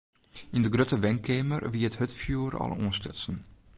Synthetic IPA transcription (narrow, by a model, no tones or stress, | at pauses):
indəɡrøtəʋɛŋkʰeːmərʋiːəthøtfjuːɾɑ̰lˠɔ̰ːnstɪ̰sn̩